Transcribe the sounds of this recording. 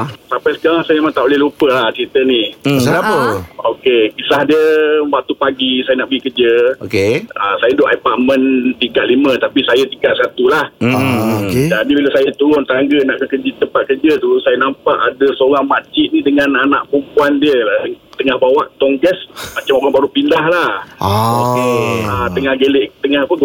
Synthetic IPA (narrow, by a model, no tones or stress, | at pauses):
sapajsə̥kaɾaŋsajəmemãŋt̪aʔolɛhlupəlaht͡ʃəɾit̪əniaəokekisahdiəbat̪upaɡisajənaʔbəikərd͡ʒəokeəsajədoʔapaʔmə̃nt̪ikaʔ̪limət̪apisajət̪iŋkaʔ̪sat̪ulahoked͡ʒadibilasajət̪uɾʊnt̪aŋɡənaʔkəkəd͡ʒit̪əpat̪̚kərd͡ʒət̪ulusajənampaʔadəsoɾaŋmat͡ʃiʔnidəŋananaʔpumpuandiəlaəŋt̪əŋahbawaʔt̪ɔŋɡɛsmat͡ʃamokaŋbaɾupindahlahokeət̪əŋahɡəleʔkt̪əŋahpə